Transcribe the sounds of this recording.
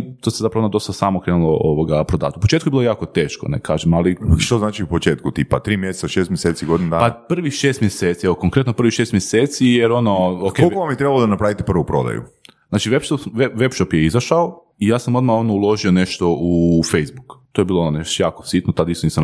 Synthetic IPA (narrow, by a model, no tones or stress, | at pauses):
t̪osezapɾaʋonod̪o̞st̪asaːmokɾeːnulˠooʋoɡapɾod̪a̰ːt̪upot͡ʃet̪kujebilojaːkot̪eːʃko̰nḛkaːʒemaliʃt̪oznaːt͡ʃiupot͡ʃeːt̪kut̪iːpat̪ɾiːmjese̥tsaʃest̪mjeseːt̪siɡod̪ind̪apapr̩ʋixʃeːst̪mjeseːt̪sieʋoko̞ŋkɾet̪nopr̩ʋiʃest̪mjeseːt̪sijeɾo̞nookeolkoʋambjit̪ɾebalod̪anapɾaʋit̪epr̩ʋupɾo̰d̪a̰jṵznaːt͡ʃiʋepʃt̪oʋeʋepʃopjeizaʃao | ijaːsamo̞d̪mao̞d̪maulˠo̞ʒione̞ʃt̪o̞ufejzbukt̪ojebiːlˠoononeʃt̪ojaːkosit̪not̪ad̪ist̪oniːsam